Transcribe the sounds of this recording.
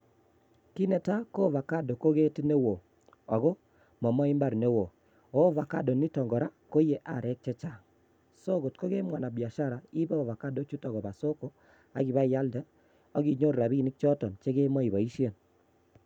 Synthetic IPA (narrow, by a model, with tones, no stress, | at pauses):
ki˦nɛ˨ta˦ko˦va˨ka˦do˨ko˦ɣe˦ti˦ne˦wo˨ | ɔ˨ɣɔ˦ | mɔ˨mɔ˦i˦mba˦ɾne˦wo˨ | o˦va˨ka˦do˨ni˦tɔ˨ŋɡɔ˨ɾa˦ko˦je˨ʔa̰˨ɾɛ˦k̚t͡ʃɛ˦t͡ʃa˦˨ | so˦ɣo˨tko˦ɣe˦mwa˨na˨bja˨ʃa˦ɾa˨i˦bɛ˦ɔ˨va˨ka˦do˨˦t͡ʃu˦tɔ˨ɣɔ˨βa˨so˦ko˦ | a˨ɡi˨βa˦ja˦ldɛ˦ | ɔ˦ɣi˨ɲo˦ɾɾa˨βi˦nɪ˦k̚t͡ʃɔ˦tɔ˨nt͡ʃe˦ɣe˦mɔ˦i˨βa˨i˦ʃje˨n